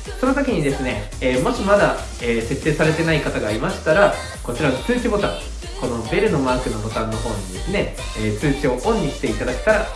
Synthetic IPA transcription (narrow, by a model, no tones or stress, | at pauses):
so̞no̞sokʲiɲ̟id̪e̞sɨne̞ | eːmoɕimad̪a | eːse̞t̪ːe̞ːsaɾe̞t̪e̞naikat̪aɡaːɾʲimaɕi̥t̪aɾa | ko̞t͡ɕiɾanot͡sɨːt͡ɕibo̞t̪ã̰ŋ | ko̞no̞be̞ɾɯ̟no̞maːkɯ̟no̞bo̞t̪ãnːo̞ɦo̞ːɲ̟id̪e̞sɨne̞ | eːt͡sɨːt͡ɕio̞ʔõ̞ɲ̟ːiɕi̥t̪e̞it̪ad̪akʲe̥t̪aɾa